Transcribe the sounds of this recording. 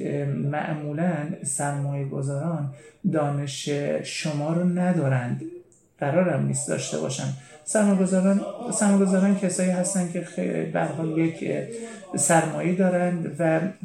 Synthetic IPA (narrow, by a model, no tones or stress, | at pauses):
mæ̰ʔmuːlænsæɾmɒːjeɡo̞zɒːɾɒːnd̪ɒːne̞ʃeʃomɒːɾnæd̪ɒːɾænd̪ | ɢ̥æɾɒːɾæmniːsd̪ɒ̰ːʃt̪e̞̰bɒ̰ːʃænsæɾmːjɡozɾnsæɾmɒːjɡo̞zɒːɾɒːncʰesɒːiːɦæst̪ænd̪kʲʰe̞xebææɾɦɒːljecʰ | sæɾmɒːjed̪ɒːɾænd̪væ